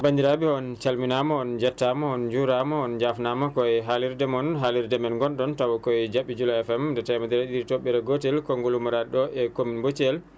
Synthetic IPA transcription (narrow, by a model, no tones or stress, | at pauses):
bandiɾabiɔnt͡ʃalminamɔɔnd͡ʒatːamɔɔnd͡ʒuɾamɔɔnd͡ʒafnamɔkɔɛɦaliɾdɛmɔnɦaliɾdɛmɛnɡɔnɗɔntawɔkɔɛd͡ʒaɓːid͡ʒulɔɛfɛmdɛtajmadɛɾaɗiɾitoɓːɛɾɛɡɔtɛlkɔŋɡɔlumaɾaɗɔʔɛkominbot͡ʃɛl